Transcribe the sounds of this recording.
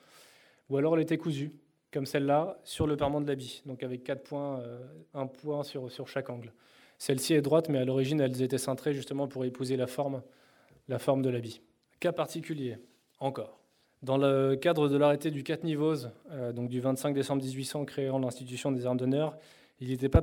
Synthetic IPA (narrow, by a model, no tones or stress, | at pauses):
ualɔʁɛlet̪ɛkuzy | kɔmsɛlːasyʁləpaʁmɑ̃d̪əlabid̪ɔ̃kavɛkːat̪pwɛ̃øɛ̃pwɛ̃syʁsyʁʃakɑ̃ɡl | sɛlsiɛd̪ʁwat̪mɛalɔʁiʒinɛlzet̪ɛsɑ̃t̪χeʒyst̪əmɑ̃puʁepizelafɔʁm | lafɔʁmd̪əlabi | kapaʁt̪ikʲylje | ɑ̃kɔːʁ | d̪ɑ̃ləkad̪ʁəd̪əlaʁet̪ed̪ykat̪nivozød̪ɔ̃k̚d̪yvɛ̃t̪sɛ̃kd̪esɑ̃bʁd̪izɥisɑ̃kχeɑ̃lɛ̃st̪it̪ysjɔ̃d̪ezaʁmd̪ɔnœʁ | ilet̪ɛpa